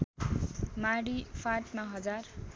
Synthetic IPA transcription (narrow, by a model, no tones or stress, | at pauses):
maɽifʰaʈmaɦʌd͡zar